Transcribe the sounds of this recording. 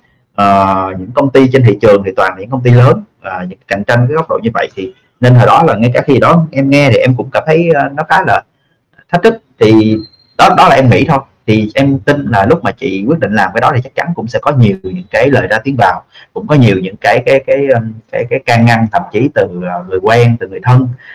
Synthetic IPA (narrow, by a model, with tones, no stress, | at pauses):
ʔəː˨˩ɲɨ̰˧˥ŋkə˧wŋ͡mt̪i˧t͡ɕe˧nhḭ˧˨t͡ɕɨ˨˩əŋt̪ʰi˨˩t̪waː˨˩naː˨˩ɲɨ̰˧˥ŋkə˧ŋ͡mt̪i˧ləː˨˦nʔəː˨˩ɲɨ̰˧˥˨ka˨˩jŋ̟t͡ɕa˧ŋkaː˨˦jɣə˦˥wk͡p̚ɗo̰˧˨ɲɨ˧və̰˧˨jt̪ʰi˨˩ | ne˧nhəː˨˩ɗɔ˨˦laː˨˩ŋa˧jkaː˧˩xi˧ɗɔ˨˦ʔɛ˧mŋɛ˧t̪ʰi˨˩ʔɛ˧mkʊ̰˧˥ŋ͡mkaː˧˩mt̪ʰə˨˦jːnɔ˨˦xaː˨˦laː˨˩˨ | t̪ʰa˦˥k̟̚t̪ʰɨ˦˥k̚t̪ʰi˨˩ | ɗɔ˨˦ɗɔ˨˦laː˨˩ʔɛ˧mŋḭ˧˥t̪ʰo˧jt̪ʰi˨˩ʔɛ˧mt̪i˧nlaː˨˩lʊ˦˥k͡p̚maː˨˩t͡ɕḭ˧˨kwət̚ɗḭ̈˧˨ŋ̟laː˨˩mkaː˨˦ɗɔ˨˦t̪ʰi˨˩t͡ɕk̚t͡ɕa˨˦nkʊ̰˧˥ŋ͡msɛ̰˧˥kɔ˨˦ɲi˨˩əwɲɨ̰˧˥ŋkaː˨˦jləː˨˩jzaː˧t̪i˨˦ənvaː˨˩wkʊ̰˧˥ŋ͡mkɔ˨˦ɲi˨˩əwɲɨ̰˧˥ŋkaː˨˦jkaː˨˦jkaː˨˦jkaː˨˦jkaː˨˦jkaː˧ŋːa˧ŋt̪ʰə̰˧˩˨mt͡ɕi˨˦t̪ɨː˨˩˨ŋɨ˨˩əjkwɛː˧ŋt̪ɨ˨˩ŋɨ˨˩əjt̪ʰə˧n